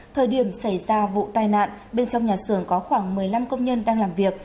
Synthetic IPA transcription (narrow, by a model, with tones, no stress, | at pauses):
t̪ʰəː˨˩jɗi˧˩əmsa˧˩jzaː˧vṵ˧˨t̪aː˧jna̰ː˧˨nɓe˧nt͡ɕɔ˧wŋ͡mɲaː˨˩sɨ˨˧˩əŋkɔ˨˦xwaː˧˩ŋmɨ˨˩əjla˧mkə˧wŋ͡mɲə˧nɗaː˧ŋlaː˨˩mvi˨˩ək̚